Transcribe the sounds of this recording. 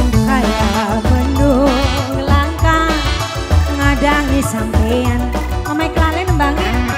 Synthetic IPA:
kajaabənduŋɡəlaŋka | əŋadaŋisaŋpejan | amaikəlalɛnəbaŋə

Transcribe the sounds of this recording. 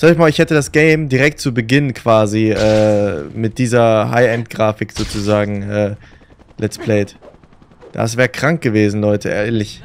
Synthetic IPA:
z̥aɪçmaːlɪçhɛtədasɡ̥ɛɪmdiʁɛk̚tt͡subəɡɪnənkʰv̥aːziʔɛːmɪt̚d̥iːzɐɦa̰ɪɛntɡ̥ʁaːfɪkz̥oːt͡suzaːɡŋ̩ʔɛː | lʔɛspʰlɛːt | d̥a̰s̬v̥ɛːʁəkʁ̥aŋk̚ɡ̥əveːzn̩lɔʏtʰəʔɛ̰ːɐɐlɪç

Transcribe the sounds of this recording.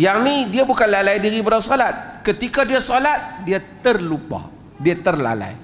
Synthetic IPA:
jaŋnidiabukanlalajdiɾibəɾasolat̪̚kət̪ikadiasolat̪̚diat̪ərlupa̰ | diat̪ərla̰la̰j

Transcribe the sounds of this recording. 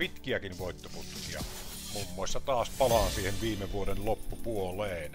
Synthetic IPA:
it̪kiækinʋoˑet̪ːoput̪kiɑ | mumːoˑesːɑt̪ɑːspɑlɑːnsiːheʋʋiːmeʋuodellopːupuoleˑen

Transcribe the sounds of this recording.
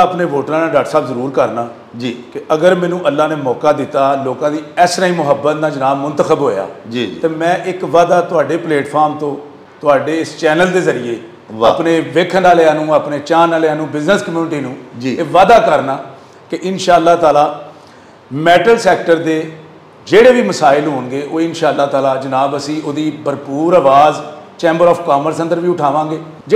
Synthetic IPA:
əpneːʋoːʈɾãːnaːɖaːʈsaːbzəɾuːɾkəɾnaː | d͡ʒikɪʔəɡəɾmɛ̃ːnũːʔəlːaːneːmɔːkaːd̪ɪt̪aːloːkãːd̪iːɛːsɾaːĩːmʊɦəbːət̪naːd͡ʒənaːmʊnt̪əxəbɦoːja̰ːd͡ʒit̪eːmɛ̃ːʔɪkʋaːd̪aːt̪ʊaːɖeːpleːʈpʰaːɾmt̪õː | t̪ʊaːɖeːɪst͡ʃɛːnəld̪eːzəɾijeː | ʋapneːʋɪkʰnaːleaːnũːaːpneːt͡ʃãːnaːlaːnũːbɪznəskəmjuːnɪʈiːnũːd͡ʒiːeːʋaːd̪aːkəɾnaː | kɪʔɪnʃaːəlːaːt̪aːlaː | mɛːʈəlsɛːkʈəɾd̪eː | d͡ʒeːɽeːʋiːməsaːɪlɦoːnɡeːʔoːɪnʃaːəlːaːt̪aːlaːd͡ʒənaːbəsĩːoːd̪iːbəɾpuːɾaːʋaːzt͡ʃɛ̃ːmbəɾɔːpʰkaːməɾsə̃nd̪əɾʋiːʊʈʰaːʋãːɡeː | d͡ʒ

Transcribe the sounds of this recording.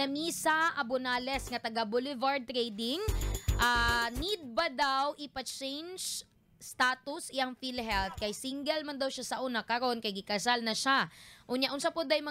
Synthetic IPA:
ɐmisaʔɐbʊnaːlɛsŋɐt̪ɐɡabolɪvaɹd̪̚t̪ɾɛjd̪ɪŋʔanid̪̚bɐd̪awʔɪpɐt͡ʃɛjnd͡ʒ | st̪aːt̪ʊsɪɐŋfilɦɛlt̪̚kɐjsiŋɡɛlmɐnd̪ɐwʃasɐʔunɐkɐɾo̞nkɐjɡɪkɐsalnɐʃaʔʊnjaʔʊnsɐpʊd̪ɐjmɐ

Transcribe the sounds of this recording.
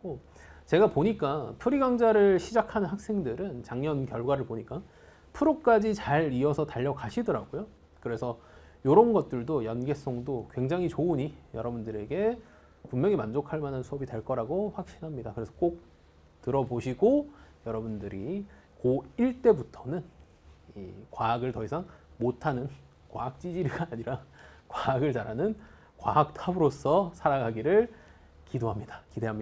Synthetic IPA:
ko | t͡ɕe̞ɡapoɲik͈apʰuɾiɡaŋd͡ʑaɾɯɭɕʰid͡ʑakʰanɯnɦak̚s͈e̞ŋdɯɾɯnt͡ɕaŋɲʌnkjʌɭɡwaɾɯɭpoɲik͈a | pʰuɾok͈ad͡ʑit͡ɕaɾiʌsʰʌtaʎːʌkaɕʰidʌɾa̰ɡ̥ojo | kɯɾe̞sʰʌ | joɾʌnɡʌt̚t͈ɯɭdojʌnɡe̞s͈ʌŋdokwe̞ŋd͡ʑaŋit͡ɕouɲijʌɾʌbundɯɾe̞ɡe̞ | pummjʌŋimand͡ʑokʰaɭmanɯnsʰuʌbitwe̞ɭk͈ʌɾaɡoɸwak̚ɕ͈inɦamɲidakɯɾe̞sʰʌk͈ok̚ | tɯɾʌboɕʰiɡojʌɾʌbundɯɾi | koiɭt͈e̞butʰʌnɯn | ḭkwaːɡɯɭtʌisʰaŋmotʰanɯn | kwaak̚t͡ɕ͈id͡ʑiɾiɡaːɲiɾakwaaɡɯɭt͡ɕaɾanɯn | kwa̰ak̚tʰabɯɾosʰʌsʰaɾaŋaɡiɾɯɭ | kidoɦamɲidḁkide̞ɦamɲi

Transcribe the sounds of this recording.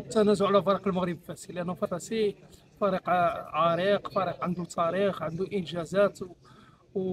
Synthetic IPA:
t̪ːænæzuʕalæfɑɾˤɑqəlməɣɾibfæsilʔænːufæfæsi | fɑɾiqʕɑɾiqfɑɾiqʕənd̪ut̪ʰɑɾixʕənd̪uʔənʒæzæt̪

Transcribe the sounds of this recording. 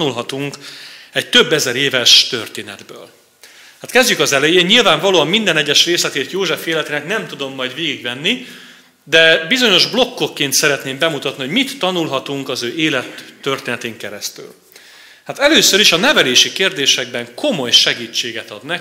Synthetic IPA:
ulɦɒt̪uŋkɛct̪ø̞bːɛzɛɾeːvɛʃt̪ø̰rt̪eːnɛ̰d̪bø̰ːl | hat̪kɛzɟykɒzɛlɛjeːɲilvaːɱvɒloːɒmːind̪ɛnɛɟːɛʃreːslɛt̪eːt̪joːʒɛfeːlɛt̪eːnɛknɛmt̪ud̪o̞mːɒjd̪veːɡiɡvɛnːi | d̪ɛbizo̞ɲo̞ʒblo̞kːo̞kːeːnt̪sɛɾɛt̪neːmbɛmut̪ɒt̪niho̞ɟmit̪ːɒnulɦɒt̪uŋkɒzøːʔeːlɛt̪ːø̞rt̪eːnɛt̪eːŋkɛɾɛst̪y̰l | hat̪ɛløːsøɾiʃɒnɛvɛleːʃikeːrd̪eːʃɛɡ̚bɛŋko̞mo̞jʃɛɡiːt͡ʃːeːɡɛt̪ɒd̪nɛ

